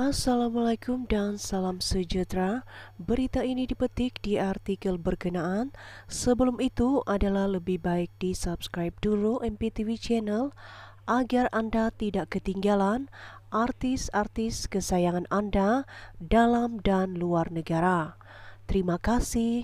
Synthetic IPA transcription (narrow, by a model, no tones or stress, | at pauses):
ʔasalamalakumdansalamsəd͡ʒut̪ɾabəɾit̪ainidipət̪ɪk̚diart̪ikəlbərkənaʔansəbəlumit̪uʔadalahləbɪhbaɪk̚disapskɾajp̚duɾuʔɛmpet̪ivit͡ʃɛnəl | ʔaɡarandat̪idaʔkət̪iŋɡalanʔart̪ɪsart̪ɪskəsajaŋanandadalamdanluarnəɡaɾa | t̪əɾimakasɪh